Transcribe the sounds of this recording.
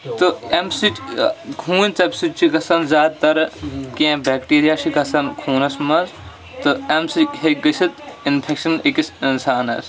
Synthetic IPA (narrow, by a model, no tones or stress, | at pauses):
t̪ɨɐmsiʈʲkʰuːnʲt͡sɐpsit͡ʃʰikɐsɐnzaːd̪̚t̪ɐɾkẽbeːk̚ʈiːɾijat͡ʃʰikɐsɐnkʰuːnɐsmɐz | t̪ɨɐmsikɦeɡɐsʰit̪inpʰekʃɐnikisinsaːnɐ̰s